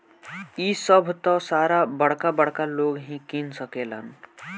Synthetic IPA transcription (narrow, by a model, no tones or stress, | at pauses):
isəbʱt̪ɔsaɾabəɽ̤kabəɽkaloɡɦĩkinsəkelə̰n